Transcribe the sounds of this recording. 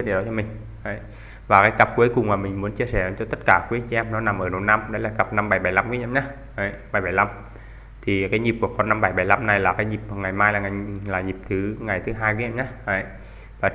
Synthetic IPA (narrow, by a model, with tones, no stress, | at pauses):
ɗɗɔ˨˦t͡ɕɔ˧mï˨˩ŋ̟ | ʔə˨˧˦j | vaː˨˩kaː˨˦jkə˨˩p̚kwu˨˦jkʊ˨˩ŋ͡mmaː˨˩mï˨˩ŋ̟mu˨˦ənt͡ɕi˧əsɛ˧˩˨t͡ɕɔ˧t̪ə˦˥t̚kaː˧˩kwi˨˦ə˧nt͡ɕi˧ʔɛ˧mnɔ˨˦na˨˩mʔəː˧˩no˨˩na˧mɗə˨˦jlaː˨˩ɣə˨˩p̚na˧mɓa˧˩jɓa˧˩jla˧mku˨˦ʔmɲa˨˦ | ə˧˩jɓaː˧˩jɓa˧˩jla˧m | t̪ʰi˨˩kaː˨˦jɲi˨˩p̚ku˧˩əkɔ˧˩na˧mɓa˧˩jɓa˧˩jla˧mna˨˩jlaː˨˩kaː˨˦jɲi˨˩p̚ŋa˨˩jmaː˧jlaː˨˩ŋa˨˩jlaː˨˩ɲi˨˩p̚t̪ʰɨ˨˦ŋa˨˩jt̪ʰɨ˨˦ɦaː˧jkwi˨˦ɛ˧mɲa˨˦ə˨˧˩j | vaː˨˩